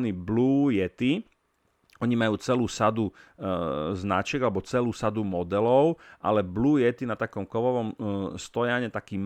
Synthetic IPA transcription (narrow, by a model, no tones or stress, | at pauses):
nibluːjɛt̪i | ɔɲimajuːt͡sɛluːsad̪u | zna̰t͡ʃɛɡalɛbɔt͡sɛluːsad̪umɔd̪ɛlɔʊʔa̰lɛbluːjɛt̪inat̪akɔmkɔʋɔʋɔmst̪ɔjaɲɛt̪akiːm